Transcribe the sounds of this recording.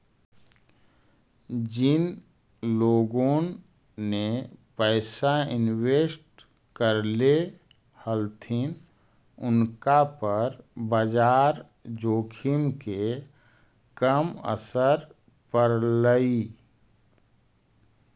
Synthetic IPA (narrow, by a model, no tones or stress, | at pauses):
d͡ʒɪn | loːɡõ | nepəːsaɪnweːsʈ | kəɾle | həlt̪ʰin | ʊnkapəɾbəd͡ʒaːɾ | d͡ʒoːkʰimke | kəmə̰səɾ | pəɾləi